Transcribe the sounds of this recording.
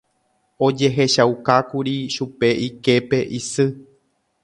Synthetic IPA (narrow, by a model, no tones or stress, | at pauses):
o̞d͡ʒe̞ɦe̞ʃauwkakuɾiʃupe̞ʔike̞pe̞ʔisɨ